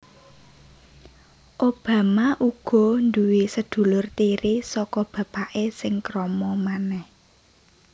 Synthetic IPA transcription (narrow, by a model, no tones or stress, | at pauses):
ʔob̥ä̤maʔuɡ̥ɔ̤nd̪uwesəd̪̥ṳlʊrt̪iɾisɔkɔb̥ä̤b̥aʔesɪŋkɾɔmɔmanɛh